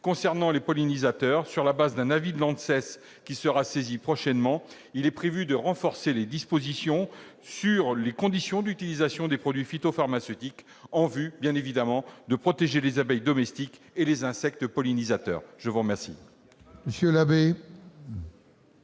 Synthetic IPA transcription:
kɔ̃sɛʁnɑ̃lepɔlinizat̪œːʁsyʁlabazd̪ɛ̃navid̪lɑ̃d̪sɛs | kʲisəʁasezipχɔʃɛnmɑ̃ | ilɛpχevyd̪əʁɑ̃fɔʁseled̪ispozisjɔ̃ | syʁlekɔ̃d̪isjɔ̃d̪yt̪ilizasjɔ̃d̪epχɔd̪ɥifit̪ofaʁmasøt̪ik | ɑ̃vybjɛ̃nevid̪amɑ̃d̪əpχɔt̪eʒelezabɛjd̪ɔmɛst̪ik | elezɛ̃sɛk̚t̪pɔlinizat̪œ̰ːʁʒ̥əvuʁmɛʁsḭ | məsjølabe

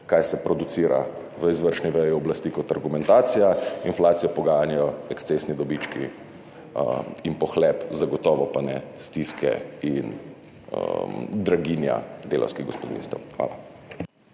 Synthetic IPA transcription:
kajsɛpɾɔd̪ut̪siːɾa̰ | ʋəizʋəɾʃniʋɛjiɔblast̪iːkɔt̪aɾɡumɛnt̪aːt̪sijainflaːt̪sijɔpɔɡaːjanjajɔɛkst̪sesnid̪ɔbit͡ʃkḭ | inpɔxlɛpzaɡɔt̪ɔːʋɔpanɛst̪iskɛ̰in | d̪ɾaɡinja̰d̪eːlʔa̰wskiɣɡospɔd̪ḭnst̪ɛwxʋa̰ːla

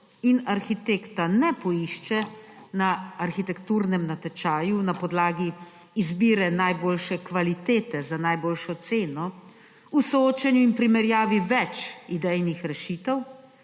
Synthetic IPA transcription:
inaɾxit̪ekt̪anɛpɔiʃt͡ʃɛnaːɾxit̪ɛkt̪uːɾnɛmnat̪ɛt͡ʃaːjunapɔd̪laːɡiː | zbiːɾɛnajboːlʃɛkʋalit̪eːt̪ɛzanajboːlʃɔt̪seːnɔ | usɔoːt͡ʃɛnjuinpɾimɛɾjaːʋiʋɛt͡ʃid̪ɛjnixɾɛʃit̪ɛw

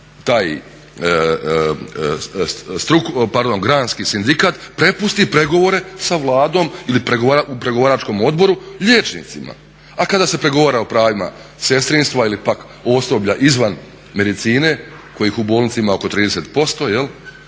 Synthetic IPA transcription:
t̪aːj | st̪ɾukpaɾd̪o̞nɡɾaːnskisind̪ikat̪pɾe̞pust̪ipɾe̞ɡo̞ʋo̞ɾe̞saʋlˠaːd̪o̞ːmilipɾeɡoʋaɾaupɾe̞ɡo̞ʋaːɾat͡ʃko̞mo̞d̪bo̞ɾuʎeːt͡ʃnḭt̪sima̰ | akad̪aːse̞pɾe̞ɡo̞ʋaːɾaopɾaːʋima̰ | se̞st̪ɾinst̪ʋailipak | o̞so̞bʎaʔizʋan | me̞d̪it̪siːne̞ | ko̞jiːxubolnit̪siimao̞ko̞t̪ɾiːd̪e̞set̪po̞st̪o̞je̞l

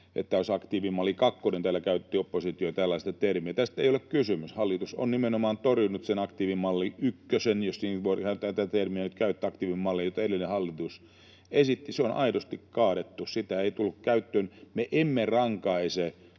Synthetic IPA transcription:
ʔḛt̪ːæjosɑkt̪iːʋimɑlːikɑkːonent̪æːlːækæyt̪ːiopːosit̪ioit̪ælːɑist̪ɑt̪ermiæt̪æst̪eijolekkysymyshɑlːit̪uso̰nnimenomɑːnt̪orjunut̪senɑkt̪iːʋimɑlːiykːøsenjossiːnʋorhɑt̪æt̪æt̪ermiænyt̪kæyt̪ːɑkt̪iːʋimmɑlːijot̪eɾelːˑinehɑlːit̪us | esit̪ːiseonʔɑ̰idost̪ikkɑːɾet̪ːussit̪æeit̪ulːukkæyt̪ːøːnmeʔemːerɑŋkɑise

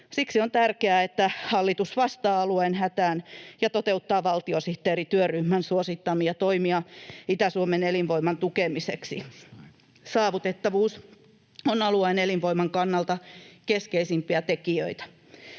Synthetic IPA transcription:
siksiont̪ærkeæːet̪ːæhɑlːit̪usʋɑst̪ɑːɑluenhæt̪æːnjɑt̪ot̪eut̪ːɑːʋɑlt̪iosiht̪ːeːɾit̪yøryhmænsuosit̪ːɑmiɑt̪oimiɑit̪æsuomenelinʋoimɑnt̪ukemisḛksḭ | sɑːʋut̪et̪ːɑʋuːs | onɑluenelinʋoimɑŋkɑnːɑlt̪ɑkeskeisimpiæt̪ekiøit̪æ̥

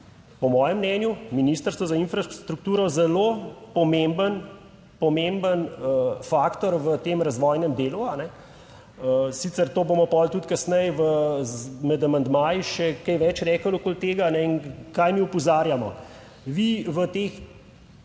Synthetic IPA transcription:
pɔmɔːjɛmːnɛːnjuminiːst̪əɾst̪ʋɔzainfɾat̪ɾuk̚t̪uːɾɔzɛlopɔmembən | pɔmembənəfaːkt̪ɔɾʋət̪eːmɾazʋɔːjnɛmd̪eːluanɛ | əsiːt̪səɾt̪oːbomɔpɔlt̪ut̪kɐsnɛjʋə | mɛd̪amɐnd̪maːjiʃɛkɛjʋɛt͡ʃɾɛːkəlokoːlt̪eːɡanɛinkajmiupɔzaːɾjamɔ̰ | ʋiʋət̪eːx

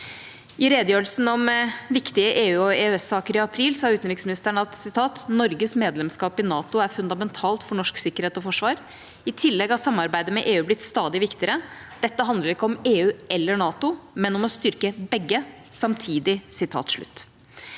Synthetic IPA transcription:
ʔɪɾeːd̪əjøːɾlsn̩ɔmʋɪkt̪ɪəʔeːʉːɔɛːøɛsɑːkəɾɪɑpʰɾiːlsɑːʉːt̪nɾɪksmɪnɪst̪əɳɑt̪sɪt̪ʰɑːt̪nɔɾɡəsmeːd̪lɛmskɑːpɪnɑːt̪ʊæɾfʉnd̪ɑmɛnt̪ʰɑːlt̪fɔɳɔʂksɪkːəɾheːt̪ɔfɔʂʋɑːɾ | ɪt̪ʰɪlːɛɡhɑtsɑmːɑɾbæɪd̪əmɛʔeːʉːblɪt̪st̪ɑːd̪ɪʋɪkt̪ɪəɾəd̪̥ɛt̪ːəɦɑnd̪ləɾɪkːəɔmeːʉːɛlːəɳɑːt̪ʊmɛnɔmɔst̪ʏɾkəbɛɡːə | sɑmt̪ʰiːd̪ɪsɪt̪ʰɑ̰ːt̪ʂɭʉ̰t̪ː

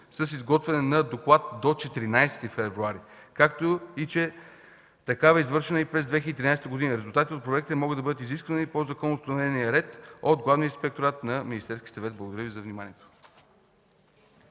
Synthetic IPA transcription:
səsizɡɔt̪vɛnɛnɐd̪oklˠat̪̚d̪ot͡ʃɛt̪ɾinajsɛ̥t̪ifɛvɾuaɾi | kak̚t̪oit͡ʃɛ | t̪ɐkavɐizvɤɾʃɛnəipɾɛzd̪vɛxiəd̪it̪ɾinajsɛt̪əɡʊd̪inəɾɛzulˠt̪at̪it̪ot̪̚pɾoɛk̚t̪əmɔɡəd̪ɐbɤd̪ət̪iziskvənipozɐkɔnːoʊst̪ɐnvɛniəɾɛt̪od̪ɡlˠavniəĩspɛk̚t̪oɾat̪nɐminist̪ɛɾskʲi̥əsɐvɛt̪blˠəɡʊd̪ɐɾəvizɐvnimanʲiɛt̪o̥

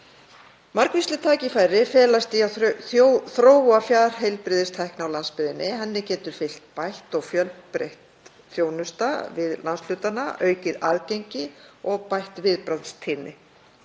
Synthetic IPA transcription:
maɾkvist̪lɪt̪ʰaːcɪfajɾɪfɛːlast̪iaθjoθɾoːwafjaːðɾ̥ɦejlpɾɪːðɪst̪ʰajhknawlanspɪðɪnːɪɦanːɪcɛːt̪ʏɾ̥fɪl̥t̪̚pajht̪ɔɣfjœlpɾḛjht̪ | θjoːwnʏst̪avɪðlʔansl̥ʏːt̪anaʔœːɥcɪðaðcejɲcɪɔɣpajht̪vɪðpɾanst̪ʰɪːnːɪ

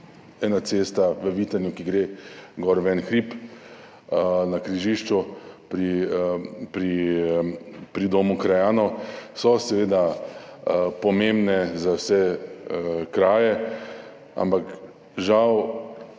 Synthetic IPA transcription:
ɛːnat̪seːst̪aʋəʋiːt̪anjukiɡɾeːɡɔɾʋɛnxɾip | nakɾiʒiːʃt͡ʃupɾi | pɾi | pɾid̪oːmukɾajaːnɔsɔsɛʋeːd̪a | pɔmembnɛzawsɛ | kɾaːjɛ | a̰mpak | ʒaw

